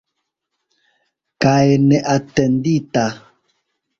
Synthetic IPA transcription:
kaɛnɛʔatɛndita

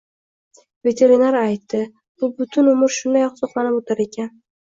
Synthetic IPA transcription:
ve̞t̪ʰe̞ɾinaɾajt̪ʰːɪ | bʊbʊt̪ʰʊnʊmɪɾʃʊnd̪ajɒqsoχlˠanɪpot̪ʰaɾe̞kʲʰan

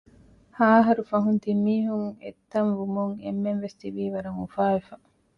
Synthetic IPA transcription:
haːɦɐɾufɐɦunt̪imːiːɦuŋḛt̪ːɐnʋumuŋemːenʋest̪iʋiːʋɐɾɐŋufaːʋefɐ

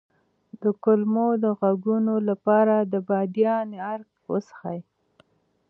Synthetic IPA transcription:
d̪əkʊlmod̪əɣaɡunolapɑɾad̪əbɑd̪jɑneaɾk | wə̰sḁxa̰j

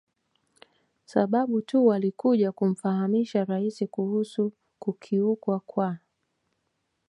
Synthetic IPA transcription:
saɓaɓutuwalikuʄakum̩fahamiʃaɾaisikuhusu | kukʰiukwakwa

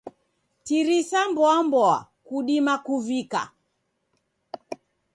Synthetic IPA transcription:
tiɾisambɔambɔa̰ | kuɗimakuvika̰

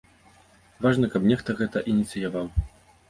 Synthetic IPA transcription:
vaʐnɐkɐbnʲɛxt̪ɐɣɛt̪ɐʔinʲit̪sɨjavaw

